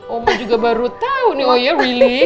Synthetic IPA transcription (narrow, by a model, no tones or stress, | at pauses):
omad͡ʒuɡabaɾut̪auniojarili